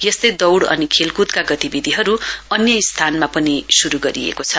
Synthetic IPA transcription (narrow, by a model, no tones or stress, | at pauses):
jʌst̪ʌjd̪ʌwɽʌ̰nikʰelkud̪kaɡʌt̪ibid̪ʱiɦʌɾuʌnjʌist̪ʰanmapʌnisuɾuɡʌɾḭḛkot͡sʰʌ